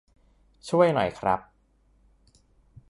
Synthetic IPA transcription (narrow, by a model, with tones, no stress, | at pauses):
t͡ɕʰu˥˩əjnɔ̰˨˩jkʰɾa̰˦˥p̚